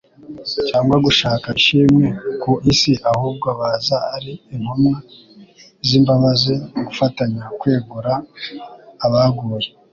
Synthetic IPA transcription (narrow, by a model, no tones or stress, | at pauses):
caːŋɡwaɡuʃaːkaiʃiːmŋekoʔisiʔahuːb̚ɡoaβaːzaːɾiːmhomŋa | ziːmbaβazeɡufataɲakwe̞ːɡuɾaː | βaɡuːɾe